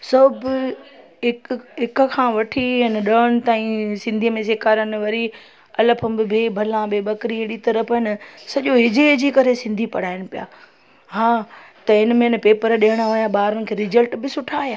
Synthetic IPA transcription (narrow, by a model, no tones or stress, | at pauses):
sɐb | ɦɪkɦɪkkʰãːʋɐʈʰiɪnəɗəːɽ̃ɪ̆t̪aːĩsɪ̃nd̪ʱiːəmẽseːkaːɾənɪ̆ʋɐɾi | ɐləpʰəbɪbʱeːbʱɐlãbeːbɐkɾiɦɪɗit̪ɐɾəpʰɦɪnəsɐʄoɦɪd͡ʑed͡ʑiːkɐɾesɪ̃nd̪ʱipɐ̰ɽ̤aːɪñɪpija̰ː | ɦaːt̪ɐɪnə̆mẽɪnəpeːpəɾɗeːəɽ̃aoːjaɓaːɾənɪkʰeːɾɪzəlʈbɪsʊʈʰaːjaː